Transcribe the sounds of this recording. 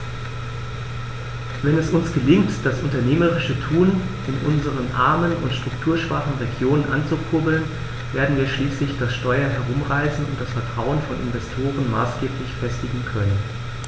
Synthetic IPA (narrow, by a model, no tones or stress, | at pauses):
vɛnɛsʊnsɡ̥əlɪŋtd̥asʊntɐneːməʁɪʃətʰuːn | ɪnʔʊ̰nzəʁənʔa̰ɐmənʊ̰ntʃtʁ̥ʊktʰuːɐʃv̥aːχn̩ʁeɡjoːnənʔant͡sukʰʊɐbl̩n | veːɐdn̩viːɐʃliːslɪçd̥asʃtɔʏɐɦɛɐʁ̞ʊmʁaɪsn̩ʊ̰nt̚d̥asfɛɐtʁ̥aʊənfɔnʔɪ̰nvɛstʰoːʁənmaːsɡ̥eːplɪçfɛstɪɡŋ̩kʰœnən